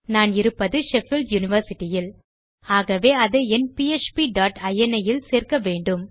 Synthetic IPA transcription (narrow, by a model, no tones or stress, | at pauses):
naːnɪɾɯpːɐðɯʃɛfɪlɖjʊnɪʋɐɾsɪʈːɪjɪl | aːɣɐʋeːɐðeɛnpiet͡ʃpiɖaːʈɐjɛnɐjɪlseːrkɐʋeːɳɖɯm